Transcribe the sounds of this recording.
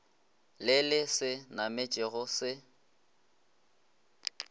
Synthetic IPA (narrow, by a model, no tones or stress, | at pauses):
lɪlɪsɪnamɪt͡ʃʼɪɣʊsɪ